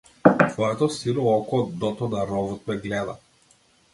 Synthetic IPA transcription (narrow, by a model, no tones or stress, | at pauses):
t̪vɔɛt̪ɔsiɾɔɔkɔd̪ɔt̪ɔnaɾɔvɔt̪̚mɛɡlɛd̪a̰